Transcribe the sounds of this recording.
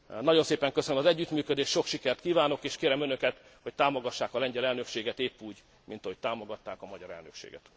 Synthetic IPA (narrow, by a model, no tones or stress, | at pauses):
nɒɟo̞nseːpɛŋkøsønømɒzɛɟːyt̪myːkød̪eːʃʃo̞kʃikɛrt̪kiːvaːno̞keːʃkeːɾɛmø̞nø̞kɛt̪ho̞c̚t̪aːmo̞ɡɒʃːaːkɒlɛɲɟɛlɛlnø̞kʃeːɡɛt̪eːpːuːɟ | mint̪ɒɦo̞ct̪aːmo̞ɡɒt̪ːaːkɒmɒɟɒ̰ɾɛ̰lnøkʃḛːɡɛ̰t̪